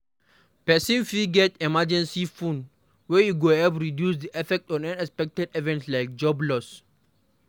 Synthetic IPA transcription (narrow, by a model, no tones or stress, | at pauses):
pɛsĩnfiɡɛtɛmad͡ʒɛ̃nsifũn | wɛjuɡoɛpɹidjusd̪iʔɛfɛk̚tɔ̃nãnɛkspɛk̚tɛdɛvɛ̃ntslajk̚d͡ʒɔblɔs